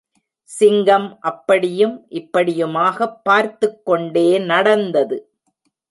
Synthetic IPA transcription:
sɪŋɡɐmʔɐpːɐɽɪjɯmʔɪpːɐɽɪjɯmaːɣɐpːaːɾt̪ɯkːɔɳɖeːnɐɽɐnd̪ɐðɯ

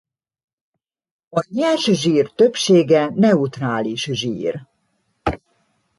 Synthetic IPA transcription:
ɒɲɛlʃʒiːrt̪ø̞pʃeːɡɛnɛut̪raːliʃʒḭːr

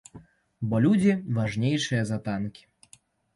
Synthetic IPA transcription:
bɔlʲud͡zʲivaʐnʲejʂɨjɐzɐt̪ankʲi̥

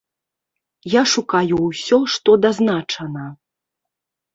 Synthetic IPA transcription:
jaʂukajuwsʲɔʂt̪ɔd̪aznat͡ʂɐnɐ

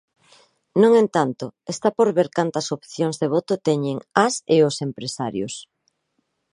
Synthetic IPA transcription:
nõŋent̪ant̪ʊest̪apoɾβeɾkant̪ɐsopθjoŋzðeβ̞ot̪ot̪ɛɲeŋaseosempɾesaɾjʊ̰s

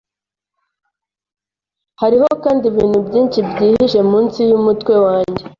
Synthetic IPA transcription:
haɾiho̞kaːndiβḭːnhubɟiːnʃibɟiːhiʃe̞muːnsijumutkwe̞waːɲɟe̞

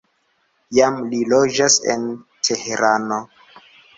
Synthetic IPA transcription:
jamlilod͡ʒasḛntʰeheɾano

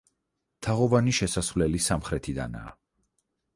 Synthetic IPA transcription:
t̪ʰaʁɔvaniʃɛsasvlɛlisamχɾɛt̪ʰid̪a̰na̰ː

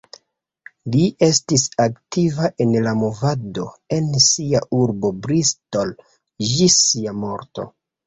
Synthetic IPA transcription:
liʔe̞stisaktivaʔe̞nlamovado̞e̞nsiaʔuɾbo̞bɾisto̞l | ʒisiamo̞ɾto̞̰

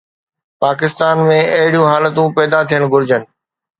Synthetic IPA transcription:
paːkɪst̪aːnmẽɐɦɪɽijũɦaːlət̪ũpɛːd̪at̪ʰijəɽ̃ɡʱʊɾɪd͡ʑənɪ̆

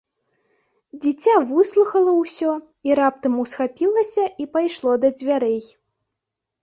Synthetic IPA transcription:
d͡zʲit͡sʲavɨslˠuxɐlˠɐwsʲɔ | iɾap̚t̪ɐmusxapʲilˠɐsʲɐʔipajʂlˠɔd̪ɐd͡zʲvʲaɾɛj

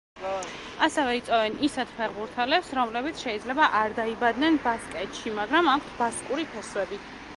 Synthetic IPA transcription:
asɛvɛit̪sʼɔvɛnisɛt̪pʰɛɾʁuɾt̪ʰɛlɛpsɾɔmlɛbit̪sʰʃɛid̪zlɛbaʔaɾd̪aibad̪nɛnbaskʼɛt̪ʃimaɡɾamakʷʰsbaskʼuɾipʰɛswɛbi

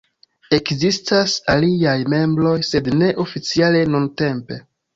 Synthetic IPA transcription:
e̞kzistʰasaliajme̞mbɾo̞jse̞dne̞ʔo̞fit͡siale̞nunte̞mpe̞

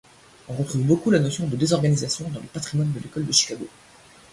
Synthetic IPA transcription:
ɔ̃ʁət̪χuvbokulanosjɔ̃d̪əd̪ezɔʁɡanizasjɔ̃d̪ɑ̃ləpat̪χimwand̪əlekɔld̪əʃi̥kaɡo

